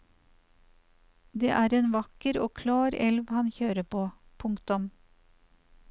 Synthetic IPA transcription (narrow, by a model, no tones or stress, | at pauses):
d̪eːʔæːɾeːnʋɑkəɾoːkʰlɑːɾɛlʋhɑnçøːɾəpʰoːpʰʊŋkt̪ʊm